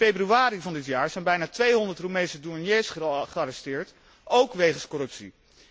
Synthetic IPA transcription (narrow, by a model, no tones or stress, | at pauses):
fejbryaːɾivɑndɪtjaːɹzɛjnbɛjnaːtʋejɦɔndəɹtromejnsəduɹnjejsχəχəɑɾɛstɪːɹt | owkʋejχənskɔɾɵpsḭ